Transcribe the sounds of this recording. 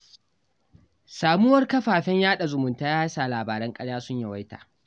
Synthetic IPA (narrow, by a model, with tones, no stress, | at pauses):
saː˨mu˦wɐ˦rkɐ˦ɸaː˨ɸɛ˦ɲjaː˦ɗa˨zʊ˨mʊ˨ntaː˦jaː˦saː˨laː˨baː˨ɾɛ˦ŋkʼɐ˦ɽjaː˦sʊ˦ɲja˨wa˦jta̰ː˨